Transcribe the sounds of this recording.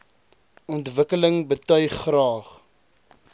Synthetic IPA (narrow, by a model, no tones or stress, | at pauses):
ɔntvəkələŋbətœɥχːrɑːχ